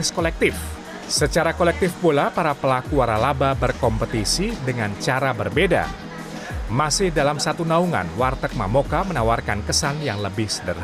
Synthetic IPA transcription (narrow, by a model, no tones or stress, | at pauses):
skolɛk̚t̪ɪf | sət͡ʃaɾakolɛk̚t̪ɪfpulapaɾapəlakuaɾalababərkɔmpət̪isidəŋant͡ʃaɾabərbeda̰ | masɪhdalamsat̪unauŋa̰nwart̪ək̚ma̰mokamənawarkankəsaŋjaŋləbɪhsədər